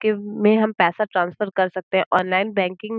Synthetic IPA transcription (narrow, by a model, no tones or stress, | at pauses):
kemẽɦɐmpɛːsaʈɾãːnsfəɾkɐɾsɐk̚t̪eɦɛ̃ʔɔːnlaːɪnbɛ̃ːŋkɪ̃ŋ